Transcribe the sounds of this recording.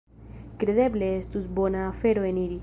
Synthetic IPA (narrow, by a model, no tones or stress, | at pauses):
kɾeðebleest̪uzbonaːfeɾoeniɾi